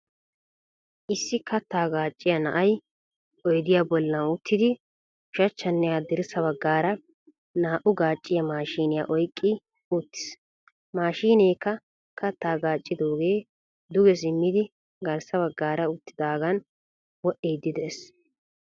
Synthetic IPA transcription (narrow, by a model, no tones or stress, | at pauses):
ʔɪsːɪkɐt̪ːaːɡaːt͡ʃʼːɪjɐnɐ̰ʔɐj | ɔjd̪ɪjabɔlːɐnʊt̪ʰːɪd̪ɪ | ʊʃɐt͡ʃːɐnːɪjad̪ɪɾɪsɐβɐɡːaːɾɐ | naːʔʊɡaːt͡ʃʼːɪjɐmaːʃiːnɪja̰ːʔɔjkʼːɪ | ʊt̪ːɪ̥s | maːʃiːneːkːɐ | kʰɐt̪ːaːɡaːt͡ʃʼːɪd̪o̞ːɡe̞ː | d̪ʊɡɛs̬ɪmːɪd̪ɪ | ɡɐɾsɐbɐɡːaːɾɐʊt̪ːɪd̪aːɡɐn | wɔʔeːd̪ːɪd̪ɛs